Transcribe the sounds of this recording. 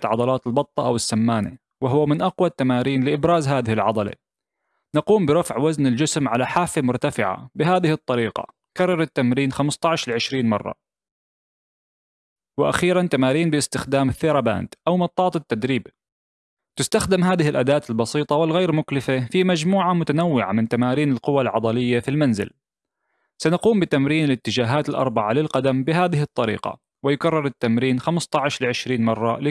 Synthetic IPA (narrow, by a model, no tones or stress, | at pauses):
t̪ʕɑd̪ˤɑlaːt̪ɪlbɑt̪ˤːɑʔawɪsːamːaːnḛ | wɪɦʊwːamɪnʔɑqwat̪ːamaːɾiːnlɪʔɪbɾaːzɦaːðɪhɪlʕɑ̰d̪ˤɑlḛ | nɑquːmbɪɾˤɑfʕwaznɪld͡ʒɪsmʕalaħaːfemʊɾt̪afɪʕa̰bɪɦaːðɪhɨt̪ˤːɑɾiːqɑ̰ | kɑrˤːɑɾˤɪt̪ːamɾiːnxamst̪ˤɑʕʃlɪʕɪʃɾiːnmɑ̰rˤːɑ̰ | wɪʔa̰xiːɾant̪amaːɾiːnbɪɪst̪ɪxd̪aːmɪθːɪɾˤɑba̰ːnd̪ʔawmɑt̪ˤːɑːt̪ˤɪt̪ːad̪ɾiːb | t̪ɪst̪axd̪ɪmɦaːðɪhɪlʔad̪aːt̪ɪlbɑsiːt̪ˤɑwɪlɣeːɾmʊklɪfafimad͡ʒmuːʕamʊt̪anawːɪʕa̰mɪnt̪amaːɾiːnɪlqʊwalʕɑd̪ˤɑlɪjːafilmanzɪ̰l | sanaquːmbɪt̪amɾiːnɪlɪt̪ːɪd͡ʒaːɦaːt̪ɪlʔɑ̰ɾˤbɑʕalɪlqad̪ambɪɦaːðɪɦɪt̪ˤːɑɾḭːqɑ̰ | wɪjʊkarˤːɪɾˤɪt̪ːamɾiːnxamst̪ˤɑʕɪʃlɪʕɪʃɾiːnmɑrˤːɑlɪ